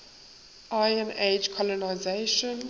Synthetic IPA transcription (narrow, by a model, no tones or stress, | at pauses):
ʔajə̃ned͡ʒkʰɔlɔnaɪzeʃɔ̃n